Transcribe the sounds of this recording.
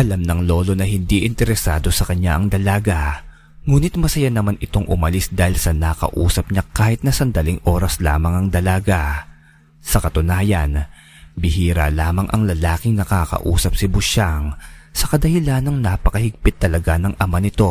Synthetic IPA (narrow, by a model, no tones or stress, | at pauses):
ʔɐlamnɐŋlo̞ːlo̞nɐɦɪnd̪iʔɪnt̪ɛɾɛsaːd̪o̞sɐkɐɲːaʔɐŋd̪ɐlaːɡa | ŋuːnɪt̪̚mɐsɐjanɐmanɪt̪o̞ŋʔʊ̰mɐlisd̪aːhɪlsɐnɐkɐ̰ʔṵːsɐp̚ɲakaːhɪt̪̚nɐsɐnd̪ɐliŋʔo̞ːɾɐsla̰ːmɐŋɐŋd̪ɐlaːɡa | sɐkɐt̪ʊnaːjɐn | bɪɦiːɾa̰laːmɐŋʔɐ̰ŋlɐlaːkɪŋnɐkaːkɐ̰ʔṵːsɐp̚sɪbʊʃaŋsɐkɐd̪ɐhɪlanɐŋnaːpɐkɐhɪɡ̚pɪt̪ːɐlɐɡanɐŋʔɐmanɪt̪o̞